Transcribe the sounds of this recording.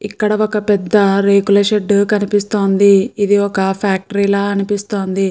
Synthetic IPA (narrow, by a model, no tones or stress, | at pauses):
ikːɐɽɐɔkɐpɛd̪ːɐɾeːɡulɐʃeɖkɐnipist̪o̞ːnd̪iid̪iɔkɐpʰaːk̚ʈɐɾilaːɐnipist̪o̞ːnd̪i